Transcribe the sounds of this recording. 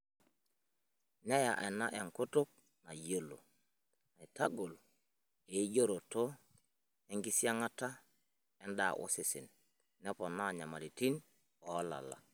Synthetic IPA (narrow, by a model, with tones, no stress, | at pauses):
na˦ja̰˨ʔɛ˨na˦ʔɛ˨ŋkʊ˦tʊ˦k̚ | na˨jo˦lo̰˨ | na˨i˨ta˦ɡo˨l | e˨i˦d͡ʒo˦ɾo˨to˦ | ɛ˦ŋɡɪ˦si˦a˦ŋa˦ta˦ | ɛ˦nda̰˨ʔʊ̰˦sɪ˨sɪ˨n | nɛ˦pɔ˨na˦˨ɲa˨ma˨ɾi˨ti˦n | ɔː˨˦la̰˨la̰˨